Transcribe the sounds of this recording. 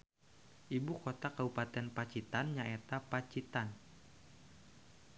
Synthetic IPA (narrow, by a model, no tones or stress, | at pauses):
ʔibukot̪akabupat̪ɛnpat͡ʃit̪anɲaet̪apat͡ʃit̪an